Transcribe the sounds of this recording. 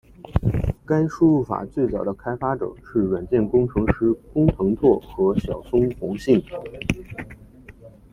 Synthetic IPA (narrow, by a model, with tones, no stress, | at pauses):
ka˥nʂu˥˧u˥˩fa̰˨˩t͡swe˥˩ɪt͡sɑ˨˩ʊd̪ə˦kʰa˥ɪfa˥ʈ͡ʂɤ̰˨˩ʂɻ̩˥˩ɻə˨˩nt͡ɕjɛ˥˩nkʊ˥ŋʈ͡ʂʰɤ˧˥ŋʂɻ̩˧˥kʊ˥ŋt̪ʰɤ˧˥ŋt͡sʰwɔ˥˩xɤ˧˥ɕjɑ˨˩ʊsʊ˥ŋxʊ˧˥ŋɕi˥˩ŋ